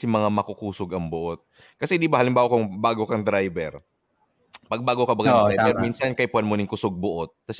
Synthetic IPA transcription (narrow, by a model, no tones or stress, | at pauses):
sɪmɐŋamɐkʊkuːsʊɡɐŋbʊʔot̪̚ | kɐsɛd̪ibahɐlɪmbaːwokʊŋbaːɡokɐŋd̪ɾajbɛɾ | pɐɡ̚baːɡokɐbɐɡdɾajbɛɾmiːnsɐnkɐʔɪpuhɐnmonɪŋkʊsʊɡ̚bʊʔot̪̚ːɐs